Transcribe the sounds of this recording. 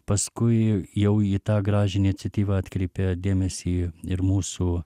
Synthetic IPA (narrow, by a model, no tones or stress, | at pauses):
pɐskʊɪjɛʊiːt̪ɑːɡɾɑːʒʲɪnʲɪt͡sʲɛt̪ʲiːʋɑɑːt̪ʲkɾʲɛɪpʲed̪ʲeːmʲɛsʲiːɪɾmuːsuː